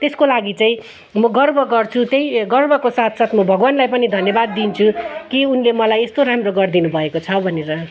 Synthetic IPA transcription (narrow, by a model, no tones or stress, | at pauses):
t̪eskolaɡit͡saĩ | mʌɡʌrbʱʌɡʌrt͡sʰut̪jejɡʌrbʱʌkosat̪ʰsʌt̪ʰmʌbʱʌɡwanlajpʌnid̪ʱʌnjʌbad̪ːint͡sʰukiunlemʌlajest̪oɾamroɡʌrd̪inubʱʌekot͡sʰʌbʱʌneɾʌ